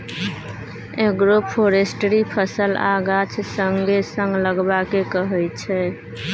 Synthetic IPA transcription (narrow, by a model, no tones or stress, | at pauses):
eɡɾopʰoɾesʈɾipʰəsəlaɡat͡ʃʰsəŋɡesəŋɡləɡbakekəɦəjt͡ʃʰɛ